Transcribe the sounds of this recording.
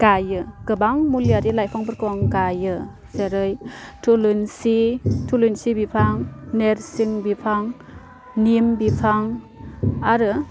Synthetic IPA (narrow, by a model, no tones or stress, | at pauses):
ɡ̥ajɯɡ̥ɯbaŋmuliaɾilajpʰaŋbɯɾkɔŋɡajɯ | seɾɯjtʰulɯnsitʰulunsibipʰaŋneɾsiŋbipʰaŋ | nimbipʰaŋ | aɾɯ